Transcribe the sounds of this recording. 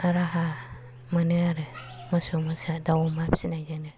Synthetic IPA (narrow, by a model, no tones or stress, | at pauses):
aɾaɦa | manɯaɾɯ | masomasadawɔmapʰi̥sinajd͡ʒanɯ